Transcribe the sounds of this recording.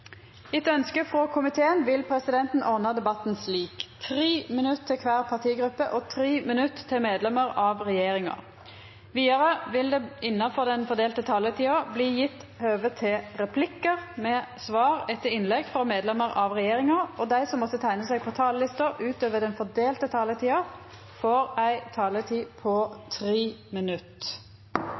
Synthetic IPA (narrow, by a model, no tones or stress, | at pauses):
ɪt̪œnskəfʁɔkʰʊmɪt̪ʰeːənʋɪlpʰɾɛsɪd̪ɛnt̪n̩ʔɔʁnəd̪ɛbɑt̪n̩sliːkt̪ʰʁiːmɪnʉt̪t̪ʰːɪkʰʋæːʁpʰɑʁt̪ʰiːɡɾʉpːəʔɔt̪ʰɾiːmɪnʉt̪ːt̪ʰːɪlmeːd̪lɛməʁɑʋʁɛjeːʁɪŋɑ̰ | ʋiːɑɾəʋɪld̪ɛɪnːɑfɔʁd̪ɛnfɔd̪eːlt̪ət̪ʰɑːlət̪ʰiːɑbliːjɪt̪ːhøːʋət̪ʰɪlʁɛpʰlɪkːəʁmɛsʋɑːʁɛt̪ːəɾɪnlɛɡfɾɑmeːd̪lɛməʁɑʋʁɛjeːʁɪŋɑɔd̪æɪsɔmːɔt̪ːət̪ʰæɪnəsɛɪɡ̚pʰɔt̪ʰɑːləlɪst̪əɾʉːt̪øːʋəd̪ɛnfɔd̪eːlt̪ət̪ʰɑːlət̪ʰiːɑ | foːɾæɪt̪ʰɑːlət̪ʰiːpʰɔt̪ʰɾiːmɪnʉt̪ː